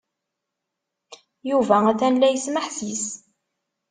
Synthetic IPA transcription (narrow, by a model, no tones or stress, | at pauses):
juvææθænlæjəsməħsis